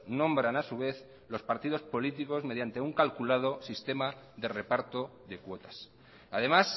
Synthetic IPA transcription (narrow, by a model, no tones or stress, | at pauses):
nõ̞mbɾanasuβ̞e̞θ | lo̞spaɾt̪ið̞o̞spo̞lit̪iko̞zme̞ð̞jant̪e̞uŋkalkulað̞o̞sist̪e̞maðe̞re̞paɾt̪o̞ðe̞kwo̞t̪ḁs | aðe̞mas